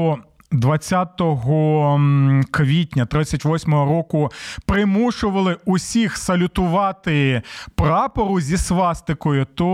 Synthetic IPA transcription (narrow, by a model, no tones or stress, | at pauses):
ɔ | d̪ʋɐt͡sʲːat̪ɔɦɔ | kʋʲitʲnʲɐt̪ɾɪt͡sʲːɐtʲʋɔsʲmɔɦɔɾɔkʊpɾɪmuʃʊʋɐlˠɪʊsʲixsɐlʲʊt̪ʊʋɑt̪ɪpɾɑpɔɾʊzʲisʋɑst̪ɪkɔjʊt̪ɔ